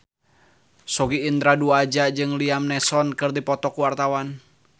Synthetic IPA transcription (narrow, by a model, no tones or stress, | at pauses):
sɔɡiːnd̪ɾaduad͡ʒad͡ʒɨŋliamnɛsɔnkɨrdipɔt̪ɔkuwart̪awan